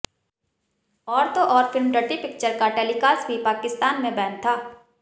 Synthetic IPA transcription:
ɔːɾt̪oʔɔːɾfɪlmɖəʈipɪk̚t͡ʃəɾkaʈɛːlikaːsbʱipaːkɪst̪aːnmẽbɛːnt̪ʰaː

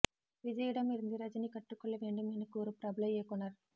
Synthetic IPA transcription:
ʋid͡ʒɐjiɽɐmiɾind̪iɾɐd͡ʒɐnikɐʈːukɔɭːeʋeɳɖuminikuːɾupɾɐblɐjeːkɔnːaɾ

